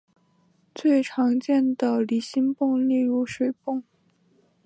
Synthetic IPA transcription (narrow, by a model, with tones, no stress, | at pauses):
t͡swe˥˩ɪʈ͡ʂʰɑ˧˥ŋt͡ɕjɛ˥˩nd̪ə˩li˧˥ɕi˥npʊ˥˧ŋli˥˧ɻu˧˥ʂwe˨˩ɪpʊ˥˩ŋ